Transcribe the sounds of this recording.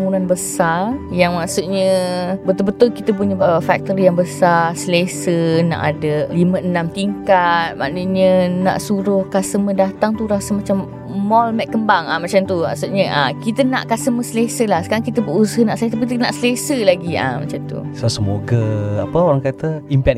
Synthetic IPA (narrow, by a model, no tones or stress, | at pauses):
ŋunanbəsarjaŋmaʔsuʔɲə̃bət̪ʊlbət̪ʊlkit̪əp̬uɲəfak̚t̪əɾijaŋbəsarsəlesəna̰ʔa̰dəliməənãmt̪iŋkat̪̚ma̰ʔnəɲəna̰ʔsuɾʊhkasəmədat̪aŋt̪uɾasamat͡ʃamː | ɔlmɛʔ̚kːəmbaŋamat͡ʃamt̪uma̰ʔsuʔɲəʔakit̪əna̰ʔkasəməsəlesəlahsə̥kaɾaŋkit̪əbəusəhnaʔset̪apikit̪əna̰ʔsəlesəlaɡia̰ma̰t͡ʃamt̪ṵsasəmoɡəa̰pəoɾaŋkat̪əimpɛ